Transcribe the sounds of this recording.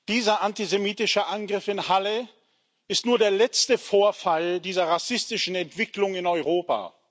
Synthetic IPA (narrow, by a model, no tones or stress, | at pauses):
d̥iːzɐʔantizemiːtɪʃəʔanɡʁɪfɪnhalə | ɪstnuːɐdeːɐlɛt͡stəfoːɐfaldiːzɐʁasɪstɪʃn̩ɛntv̥ɪklʊŋɪnɔʏʁ̞oːpa̰ː